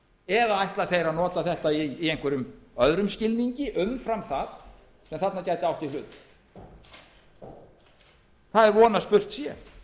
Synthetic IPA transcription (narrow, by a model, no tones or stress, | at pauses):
ɛðaajht̪laθejɾanɔːt̪aθɛht̪aiːejŋkvɛɾʏmœðɾʏmscɪlniɲcɪʔʏmfɾamθað | sɛmθat̪nacajt̪ɪawht̪ifʏːt̪l | θaðɛɾvɔːnaspʏr̥t̪sjɛ